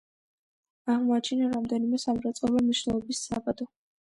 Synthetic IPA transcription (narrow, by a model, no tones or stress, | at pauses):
aʁmɔat͡ʃʰinaɾamd̪ɛnimɛsamɾat̪sʼɔlɔmniʃvnɛlˠɔbisːa̰bad̪ɔ